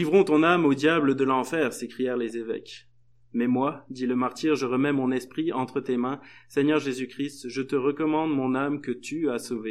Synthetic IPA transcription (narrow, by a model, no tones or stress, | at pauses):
ivʁɔ̃t̪ɔ̃namod̪jabləd̪əlɑ̃fɛʁsekχijɛʁlezevɛ̰k | mɛmwad̪iləmaʁt̪iʁʒəʁəmɛmɔ̃nɛspχiɑ̃t̪χət̪emɛ̃sɛɲœʁʒezykχist̪ʒət̪əʁəkɔmɑ̃d̪mɔ̃namkət̪yasove